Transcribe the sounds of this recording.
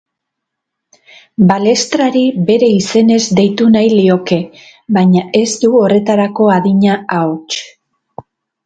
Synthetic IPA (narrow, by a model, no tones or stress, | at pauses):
bale̞st̪ɾaɾibe̞ɾe̞ise̞ne̞zd̪e̞jt̪unajlio̞ke̞ | βajɲaʔe̞zt̪uo̞re̞t̪aɾako̞aðiɲaaot͡ʃ